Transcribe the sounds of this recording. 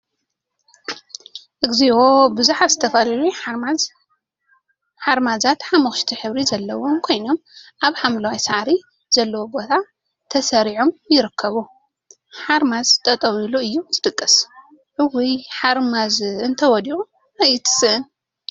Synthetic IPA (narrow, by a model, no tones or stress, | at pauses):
ʔɨɡziwobɨzuħat̪zɨt̪ʰɐfɐlalu | ħaɾmazat̪ħamɐxʃt̪ʰiħɨβɾizɐlːɐwo̞mkʰo̞jno̞mʔaβħamlɐwajsaʕɾi | z̥ɐlːɐwobo̞t̪ʰa | t̪ʰɐsɐɾiʕo̞mjɪɾɨkʰːɐβu | ħaɾmazt̪ʼɐt̪ʼɐwiluɨjːuzɨt̪ʼɨkʼːɨs | ʕɨwijħaɾmazɨnt̪ʰɐwɔd̪iʔu | ajit̪ʰɨ̥sɨʔɨn